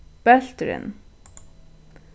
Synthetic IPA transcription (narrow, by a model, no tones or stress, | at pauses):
b̥ɛɬt̪ɾɪ̰n